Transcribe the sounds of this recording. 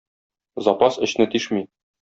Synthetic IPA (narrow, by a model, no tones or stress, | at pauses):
zɑpɑsɘ̆ɕnɘt̪iʃmi